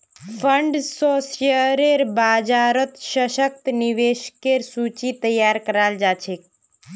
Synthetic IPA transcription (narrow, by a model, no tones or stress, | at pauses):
pʰəɳɖsoːsijəɾeɾbaːd͡ʒaːɾət̪ʃəʃək̚t̪niʋeʃkeɾsut͡ʃit̪əjːaːɾkəɾald͡ʒaːt͡ʃʰek̚